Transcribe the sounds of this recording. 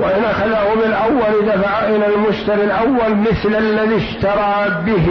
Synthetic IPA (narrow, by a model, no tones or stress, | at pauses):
waʔɪnʔaxaðahʊbɪlʔawːalɪd̪afaʕaʔɪnalmʊʃt̪aɾilʔawːalmɪθlalːaðiʃt̪ɑɾˤɑːbɪh